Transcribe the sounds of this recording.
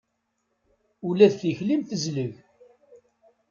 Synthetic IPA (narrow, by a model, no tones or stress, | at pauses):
ulæðθiçlimθəzləʝ